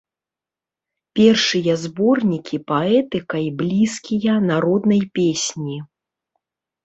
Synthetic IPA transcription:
pʲɛrʂɨjɐzbɔrnʲikʲipaɛt̪ɨkɐjblʲiskʲijɐnaɾɔd̪nɐjpʲesʲnʲi

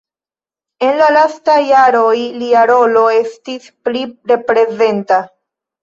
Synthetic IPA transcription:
e̞nlalastajːaɾo̞jliaɾo̞lo̞e̞stispliɾe̞pɾe̞ze̞nta

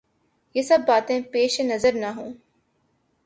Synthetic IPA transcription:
jesɐbːaːt̪ẽpeːʃenɐzəɾnaɦõː

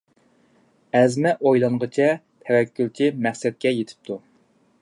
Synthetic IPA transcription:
ɛzmɛʔojlˠɑɴʁət͡ʃʰɛ | t̪ʰɛwɛkʲːylt͡ʃʰimæχsɛt̪̚kʲɛjet̪ʰɪ̥p̚t̪ʰu

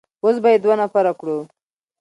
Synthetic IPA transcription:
os̬bajed̪wanafaɾakɽu

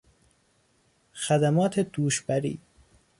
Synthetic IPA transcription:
xæd̪æmɒːt̪ʰed̪uːʃbæɾḭː

